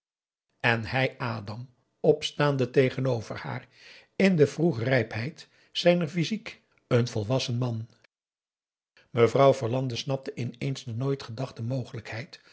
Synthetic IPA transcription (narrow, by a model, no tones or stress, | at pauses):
ɛnhɛjʔaːdɑm | ɔpstaːndətejχənowv̥əɹha̰ːr | ɪndəvruχrɛjpɦɛjt | sɛjnəɹfizik | ənvɔlˠʋɑsənmɑn | məvrɑwvəɹlɑndəsnɑp̚təʔɪnejnzdənojtχədɑχtəmowχələkhɛjt